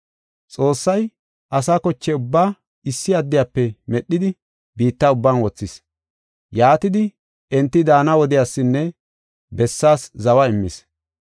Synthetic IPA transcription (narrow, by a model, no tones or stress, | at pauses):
t͡sʼo̞ːsːɐj | ʔɐsaːkɔt͡ʃːɛʊbːaː | ɪsːɪɐd̪ːɪjapːɛmɛɗːɪd̪ɪ | biːt̪ːɐʊbːanwɔt͡sːɪs | jaːt̪ɪd̪ɪ | ɛnt̪ːɪd̪aːnɐwɔd̪ɪjaːsːɪnːɛ | bɛsːaːszɐwɐɪmːɪ̰s